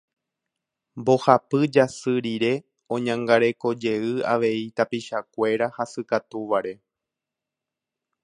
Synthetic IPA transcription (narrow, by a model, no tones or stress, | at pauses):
mbo̞hapɨd͡ʒasɨɾiɾe̞ | õ̞ɲãŋɡaɾe̞ko̞d͡ʒe̞ɨa̰ʋe̞it̪apiʃakʷe̞ɾahasɨkat̪uʋaɾe̞